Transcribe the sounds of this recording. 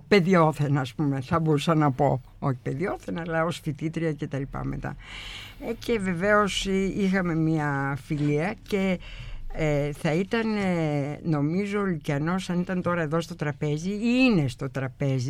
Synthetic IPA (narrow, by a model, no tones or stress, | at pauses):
pe̞ðioθenɐːspume̞θɐbo̞ɾusɐnɐpo̞̰ | o̞çi̥pe̞ðio̞θenɐlɐo̞sfit̪it̪ɾiɐce̞t̪ɐlipɐ̰me̞̰t̪ɐ̰ | ece̞ve̞ve̞o̞sixɐme̞miɐfiliɐce̞ | eθɐit̪ɐneno̞mizoːlicɐno̞sɐnit̪ɐnt̪o̞ɾɐe̞ðo̞st̪o̞t̪ɾɐpe̞ziiine̞st̪o̞t̪ɾɐpe̞zi